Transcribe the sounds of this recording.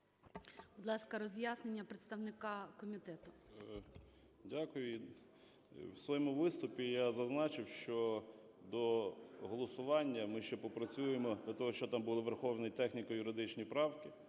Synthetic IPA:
bɔd̪lˠɑskɐɾɔzʲjasnenʲːɐpɾet̪st̪ɐwnɪkɑkɔmʲit̪ɛt̪ʊ | dʲakʊjʊ | wsʋɔjɔmʊʋɪst̪ʊpʲijazɐznɑt͡ʃɪwʃt͡ʃɔ | d̪ɔɦɔlˠɔsʊʋɑnʲːɐmɪʃt͡ʃɛpɔpɾɐt͡sʲujemɔd̪ʲlʲɐt̪ɔɦɔʃt͡ʃɔt̪ɑmbulˠɪʋerxɔwnɪjt̪ɛxnʲikɐjʊɾɪd̪ɪt͡ʃnʲijpɾɑwkɪ

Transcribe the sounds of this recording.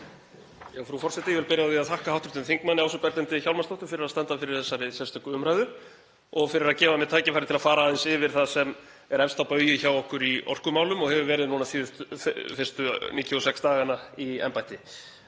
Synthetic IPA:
jɛɣfɾufɔr̥sɛht̪ɪjɛvɪlpɪɾjaiaðθahkahawht̪ɾʏ̥ht̪ʏnθiŋkmanːɪaws̬ʏpɛɾt̪ɛnt̪ɪçawlmanst̪ɔwht̪ʏfɪɾɪɾaðst̪ɛnt̪afɪɾɪɾ̥θɛsːaɾɪsɛɾst̪ʰœkʏʏmɾajðʏɾ̥ | ɔɣfɪɾɪɾaðcɛːvamɛt̪ʰajcɪfaɾɪ̥t̪ʰɪlafaːɾaðɛnsɪvɪɾ̥θaðsɛm | ɛɾɛnst̪awpœːjɪçawɔhkʏɾiɔ̰r̥kʏmaːwlʏmɔɣhɛvʏvɛːɾɪðnuːnaθɪfɪr̥st̪ʏniːt̪juɔsɛkst̪aːɣanaiɛ̰mpajt̪ɪ

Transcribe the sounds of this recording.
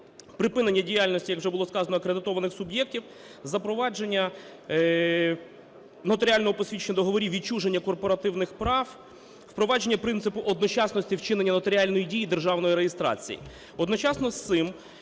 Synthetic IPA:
pɾɪpɪne̞nʲːɐdʲijalʲnɔsʲtʲijɐkwʒɛbʊlˠɔskɑzɐnɔɐkɾed̪ɪt̪ɔʋɐnɪxsʊbjɛk̚tʲiw | zɐpɾɔʋɑd͡ʒe̞nʲːɐ | nɔt̪ɔɾʲɪalʲnɔɦɔpɔsʲʋʲit͡ʃenʲːɐd̪ɔɦɔʋɔɾʲiʋʲit͡ʃuʒe̞nʲːɐkɔrpɔɾɐt̪ɪwnɪxpɾɑw | wpɾɔʋɑd͡ʒe̞nʲːɐpɾɪnt̪sɪpʊʔɔd̪nɔt͡ʃɑsnɔsʲtʲiwt͡ʃɪnenʲːɐnɔt̪ɔɾʲɪalʲnɔjidʲijid̪e̞rʒɑwnɔjiɾejest̪ɾɑ̰t͡sʲḭjḭ | ɔd̪nɔt͡ʃɑsnɔst̪sɪm

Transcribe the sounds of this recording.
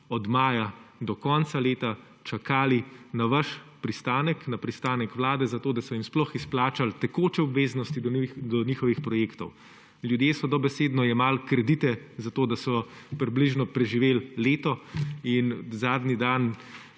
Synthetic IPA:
ɔd̪maːjad̪ɔkɔːnt̪saleːt̪a | t͡ʃakaːlinaʋaʃpɾist̪aːnəknapɾist̪aːnɛkʋlaːd̪ɛzat̪oːd̪asɔjimsplɔxisplaːt͡ʃalt̪ɛkoːt͡ʃɛɔbʋeːznɔst̪id̪d̪ɔniːxɔʋixpɾɔjeːkt̪ɔw | ljud̪jeːsɔd̪ɔbɛseːd̪nɔjɛmaːlkɾɛd̪it̪ɛzat̪oːd̪asɔ | pɾibliʒnɔpɾɛʒiʋeːlleːt̪ɔinzaːd̪nid̪an

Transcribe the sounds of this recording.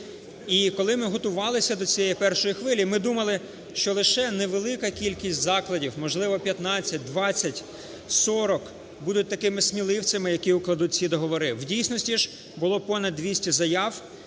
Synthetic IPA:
ikɔlˠɪmɪɦɔt̪ʊʋɑlˠɪsʲɐd̪ɔt͡sʲijɛjipɛrʃɔjixʋɪlʲimɪd̪umɐlˠɪ | ʃt͡ʃɔlˠɪʃɛnɛʋelˠɪkɐkʲilʲkʲisʲtʲzɑklˠɐdʲiwmɔʒlˠɪʋɔpʲjɐt̪nɑt͡sʲːɐt̚ʲd̪ʋɑt͡sʲːɐtʲ | sɔɾɔk | bud̪ʊt̚ʲt̪ɐkɪmɪsʲmʲilˠɪwt͡sʲɐmɪjɐkʲiuklˠɐd̪ut̚ʲt͡sʲid̪ɔɦɔʋɔɾɪwdʲijsʲnɔsʲtʲiʒ | bʊlˠɔpɔnɐd̪ʋʲisʲtʲizɐjɑw

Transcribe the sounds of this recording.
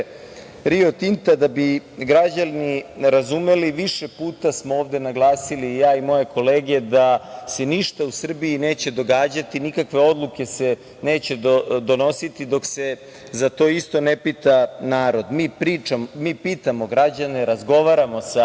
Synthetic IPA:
ɾiot̪int̪ad̪abiɡɾad͡ʑalniɾazume̞liʋiʃepuːt̪asmooːʋd̪e̞naɡlˠaːsiliːjaːimo̞je̞ko̞leːɡe̞d̪ase̞niʃt̪ausr̩biineːt͡ɕe̞d̪o̞ɡaːd͡ʑat̪inikakʋe̞o̞d̪lˠuke̞se̞ | ne̞ːt͡ɕe̞od̪o̞no̞sit̪id̪o̞kse̞ | zat̪o̞ːist̪o̞nepit̪anaːɾo̞d̪miːpɾiːt͡ʃammiːpiːt̪amo̞ɡɾad͡ʑaneɾazɡo̞ʋaɾamo̞sa

